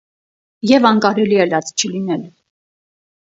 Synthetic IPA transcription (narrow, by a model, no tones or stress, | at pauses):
jɛvɑnkɑɾɛliɛlɑt͡st͡ʃʰəlinɛl